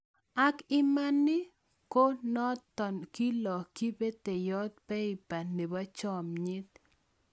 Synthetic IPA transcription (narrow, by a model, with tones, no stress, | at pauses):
a˦kɪ˦ma˦nɪ˦ | ko˦nɔ˦t̪ɔ˨nki˦lɔ˨ki˦be˦t̪e˨jɔ˦t̪̚pɛ˦ɪ˨pa˨ne˨ba˦t͡ʃɔ˦mɲɪ˦t̪̚